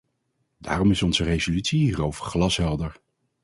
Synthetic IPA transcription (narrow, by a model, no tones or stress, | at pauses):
da̰ːrɔmɪsɔnzərezolytsiɦiːrowvəɹχlɑsɦɛlˠdəɹ